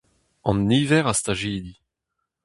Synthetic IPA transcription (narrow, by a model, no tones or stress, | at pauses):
ɑ̃nːiːvɛʁast̪aʒeːdi